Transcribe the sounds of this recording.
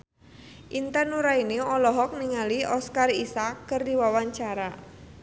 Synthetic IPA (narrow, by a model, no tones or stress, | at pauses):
ʔint̪anuɾainiɔlɔɦɔk̚niŋaliɔskarisakːərdiwawaɲt͡ʃaɾa